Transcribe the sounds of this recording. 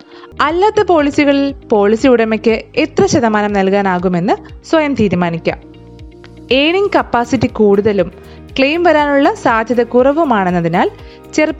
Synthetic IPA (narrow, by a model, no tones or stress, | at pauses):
ɐlːaːt̪ːɐpo̞ːlisiɣɐɭilpo̞ːɭisijuɽɐmekʲːɨet̪rɐɕɐðɐmaːnɐmnɐlkaːnaːɣume̞nːɨswɐjɐmt̪iːɾumaːnikʲːɐ̰m | e̞ːɳiŋkɐpːaːsitːikuːɽuðɐlum | kɭejmʋɐɾaːnuɭːɐsaːd̪ʱjɐðɐkurɐʋumaːɳenːɐðinaːl | t͡ɕerpː